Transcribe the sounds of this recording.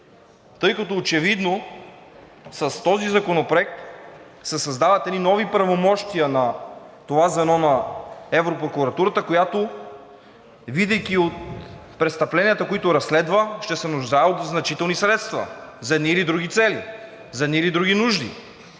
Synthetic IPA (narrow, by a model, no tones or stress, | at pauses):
t̪ɤjkɐt̪oːt͡ʃɛvid̪no | sɐst̪ɔzizɐkonopɾoɛk̚t̪ | sɛsɐzd̪avɐt̪ɛninɔvipɾɐvomɔʃt̪ijənɐ | t̪ovazɛnɔnɐɛvɾopɾokuɾɐt̪uɾət̪əkojat̪o | vid̪ɛjkʲiot̪pɾɛt̪st̪ɐplɛnʲijət̪əkoit̪oɾɐslɛd̪vəʃt̪ɛsɛnʊʒd̪aot̪znɐt͡ʃit̪ɛlˠnisɾɛt̪st̪vɐ̰zɐɛd̪niːlid̪ɾuɡ̟it̪sɛlḭ | zɐɛd̪niːlid̪ɾuɡ̟inuʒd̪ḭ